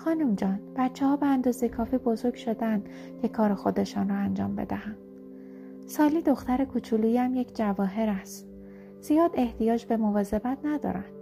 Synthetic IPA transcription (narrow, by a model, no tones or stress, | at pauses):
xɒːnumd͡ʒɒːnb̥æt̪t͡ʃʰːɛhɒːbeænd̪ɒːzekʰɒːfiːbozo̞ɾɡʃo̞d̪eænd̪̥ | cʰe̞kʰɒːɾexo̞d̪e̞ʃɒːnrɒænd͡ʒɒ̰ːmbe̞̰d̪æhæn | sɒːliːd̪o̞xt̪æɾe̞kʰut͡ʃʰuluːjæmjecʰd͡ʒævɒːɦe̞ɾæst̪ | z̥ijɒːd̪e̞ht̪ijɒːd͡ʒbe̞movɒːze̞bæt̪ʰnæd̪ɒ̰ːɾænd̪̥